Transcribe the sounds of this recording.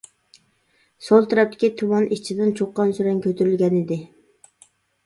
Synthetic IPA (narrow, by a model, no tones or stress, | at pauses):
solˠt̪ʰɛɾɛp̚t̪ɪ̥kʲit̪ʰumɑnit͡ʃʰid̪ɪnt͡ʃʰoqːɑnsyɾɛŋkʲʰøt̪ʰyɾylɡʲɛnɪd̪ɪ